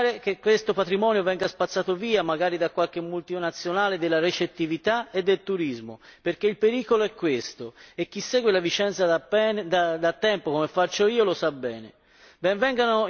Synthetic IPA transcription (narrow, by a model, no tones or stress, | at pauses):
ɾek̟ekːwest̪opat̪ɾimɔːnjovɛŋɡaspat̪sːaːt̪oviːamaɡaːɾid̪akːwalk̟emːult̪inat̪sːjonaːled̪elːaɾet͡ʃet̪ːivit̪aed̪ːelt̪uɾizmo̰perk̟eilpeɾiːkoloɛkːwest̪oek̟ːisːɛːɡwelavit͡ʃɛnt̪sad̪ad̪at̪ːɛmpokomefat͡ʃːoiːolosabːɛːnḛ | bɛɱvɛŋɡano